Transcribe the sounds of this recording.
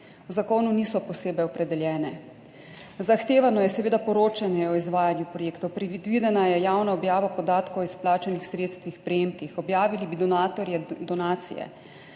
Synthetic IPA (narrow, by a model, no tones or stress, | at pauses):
uzakoːnuniːsɔpɔseːbɛjɔpɾɛd̪ɛljɛːnɛ | zaxt̪eːʋanɔjɛsɛʋeːd̪apɔɾoːt͡ʃanjɛɔizʋaːjanjupɾɔjeːkt̪ɔwpɾɛid̪ʋiːd̪ɛnajɛjaːwnaɔbjaːʋapɔd̪aːt̪kowisplaːt͡ʃanixsɾeːt̪st̪ʋixpɾɛjeːmkixɔbjaːʋilibid̪ɔnaːt̪ɔɾjɛd̪ɔnaːt̪sḭjɛ̰